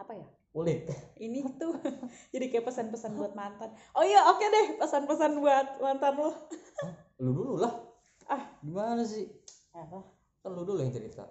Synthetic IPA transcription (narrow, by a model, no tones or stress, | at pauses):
apaja | ulɪt̪̚init̪ud͡ʒadikajapəsanpəsanbuat̪̚mant̪anoijaokɛdɛhpəsanpəsanbuat̪̚mant̪anlɔh | ludululah | ʔahdimanas̬ɪh | ala | kanluduljaŋt̪əɾit̪a̰